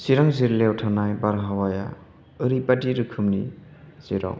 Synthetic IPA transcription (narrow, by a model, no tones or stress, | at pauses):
siɾaŋziɾlewtʰanajbaɾɦawaja | ɯɾipatiɾɯkʰɯmni | z̥iɾa̰w